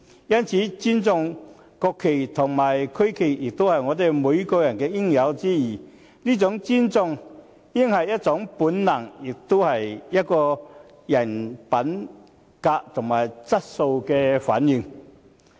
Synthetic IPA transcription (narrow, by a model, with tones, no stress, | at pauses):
jɐ˥nt͡sʰiː˨˥t͡si˥nt͡sʊ˧ŋ | kɔː˧kʰːe˨˩jt̪ʰʊ˨˩ŋmaː˨˩jkʰɵ˥ɥkʰe˨˩jjɪ˨k̚t̪o˥whɐ˨jŋɔ˨˧t̪e˨jmuː˨˧˥jkɔː˧jɐ˨˩nkɛː˧jɪ˥ŋjɐ˨˧wt͡siː˥jiː˨˩ | niː˥t͡sʊ˨˥ŋt͡siː˥nt͡sʊ˧ŋ | jɪ˥ŋhɐ˨jjɐ˥t̚t͡sʊ˨˧˥ŋpuː˨˥nnɐ˨˩ŋjɪ˨k̚t̪o˥whɐ˨jjɐ˥t̚kɔː˧ | jɐ˨˩npɐ˨˥n | kaː˧k̚t̪ʰʊ˨˩ŋmaː˨˩jt͡sɐ˥t̚so˧wkɛː˧fa̰ː˨˥njɪ˨˧ŋ